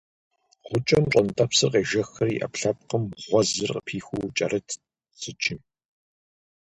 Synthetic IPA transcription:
ʁʷʊt͡ʃʼɐmʈ͡ʂʷʼɐntʼɐpsɨqeːʒɐxɐrḭʔɐ̰pɬɐp̚qəmʁʷɔzɨrqəpʰiːxʷuwt͡ʃʼɐɾʔɨtʰ | z̥ɨt͡ʃʰɪm

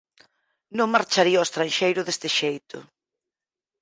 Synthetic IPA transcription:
nõŋmaɾt͡ʃaɾiɐɔst̪ɾanʃejɾʊðest̪ɪʃejt̪ʰʊ̰

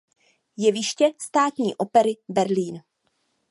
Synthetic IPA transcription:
jɛvɪʃcɛst̪aːt̪ɲḭːʔo̞pɛɾɪbɛɾliːn

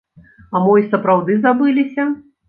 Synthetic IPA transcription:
amɔisɐpɾawd̪ɨzabɨlʲisʲɐ

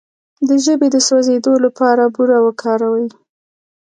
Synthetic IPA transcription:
d̪əʒəbed̪əswazed̪olapɑɾabuɾawəkʰɑɾawəji

